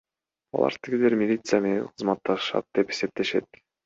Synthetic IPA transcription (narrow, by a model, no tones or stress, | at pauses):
ɑ̰lˠɑ̰ɾt̪ʰiɡileɾmʲɪlʲit̪sɨjame̞ne̞nqʰɯzmɑt̪ːɑʃɑ̰t̪̚d̪e̞pe̞se̞p̚t̪e̞ʃe̞̰t̪̚